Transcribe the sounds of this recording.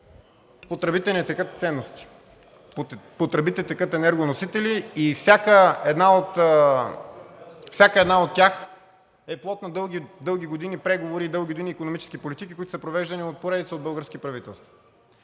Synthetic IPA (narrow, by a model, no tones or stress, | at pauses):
pot̪ɾɛbit̪ɛnɛt̪ɛkət̪̚t̪sɛnːost̪i̥ | pot̪ɾɛbit̪ɛt̪ɛkət̪ɛnɛɾɡonosit̪ɛliifsʲjakəɛd̪naot̪ | fsʲakəɛd̪naot̪ːʲjax | ɛplˠɔt̪nɐd̪ɤlˠɡʲid̪ɤlˠɡ̟ʲiɡod̪inipɾɛɡovoɾiːd̪ɤlˠɡʲiɡod̪iniːkonomit͡ʃɛ̥sk̟ipolit̪ikʲi̥koʊit̪ʊsəpɾovɛʒd̪ɐniot̪̚poɾɛd̪it̪səod̪bəlˠɡəɾskipɾɐvit̪ɛlˠst̪vɐ̥